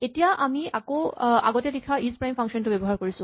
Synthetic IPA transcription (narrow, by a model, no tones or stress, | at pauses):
etijaʔamiakoa̰ɡɔtɛlikʰaizpɹajmpʰaŋksɔntʊbɛbɔɦaɹkoɹisʊ̃